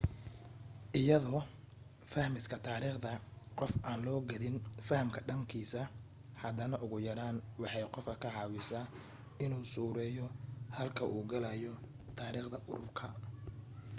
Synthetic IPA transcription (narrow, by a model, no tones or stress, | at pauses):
ʔɪjɐðɔː | fɐhmɪskʰɐt̪ʰaːɾiːχd̪ɐqɔfʔaːnlɔːɡɐðɪnfɐhɐmkʰɐɖɐŋkʰiːsɐ | hɐd̪ɐnɐʔʊɣʊjɐɾaːnwɑħɑjqɔfkʰɐkʰɐʕɑːwɪsaː | ɪnuːsuːɾɛːjɔhɐlkʰɐʔuːɡɐlɐjɔ | t̪ʰaːɾiːχd̪ɐʔʊɾʊrkʰɐ